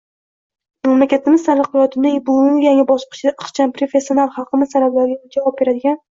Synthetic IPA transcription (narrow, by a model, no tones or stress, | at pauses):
mamlakʲat̪ʰɪmɪzsaɾɨqɨjɒt̪ʰɪnɪbʊjaŋɪbɒsqʰɨ̥t͡ʃʰɪd̪aʔɨχt͡ʃʰanpɾofesːjio̞nalˠχɑlˠqɨmɪz̥saɾablaɾɡʲad͡ʒavɒb̚be̞ɾad̪ɪɡʲan